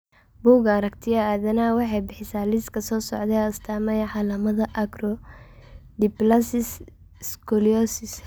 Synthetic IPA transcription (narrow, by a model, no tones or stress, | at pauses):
buːɡɐɾɐk̚t̪ʰɪjɐaːðɐnawɑħɑjbɪħɪsaːlɪskʰɐsɔːsɔ̰ʕd̪ɛʊst̪ʰaːmɛjʕɑlaːmɐðɐʔɐɡrɔ | d̪ɪplɐsɪs | skʰɔliɔsɪs